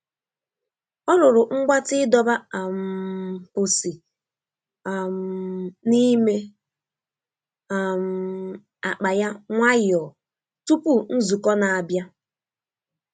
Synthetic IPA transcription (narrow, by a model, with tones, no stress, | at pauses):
ɔ˦ɾʊ˨ɾʊ˨ŋ͡m̩˦ɡ͡bʷa˦tɪ˦dɔ˦ba˦a˨m˨pʊ˨si˨ | a˨m̩˨ni˦me˦ | a˨m̩˨ | a˨k͡pa˨ja˦ŋʷa˦jɪ˨ɔ˨ | tu˦pu˦n̩˦zu˨kɔ˦na˨a˨bja˦